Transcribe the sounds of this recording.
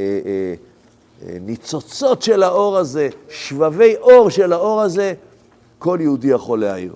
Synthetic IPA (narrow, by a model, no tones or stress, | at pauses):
e | nit͡so̞t͡so̞tʃe̞lhao̞ʁaze̞ʃvave̞jʔo̞ʁʃe̞lao̞ʁaze̞ | ko̞ljeudijaχo̞lea̰ḭʁ